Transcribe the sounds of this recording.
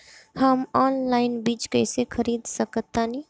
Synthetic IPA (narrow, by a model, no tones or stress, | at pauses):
həmɔːnlaːɪnbiːt͡ʃkəɪsekʰəɾiːd̪səkət̪ːani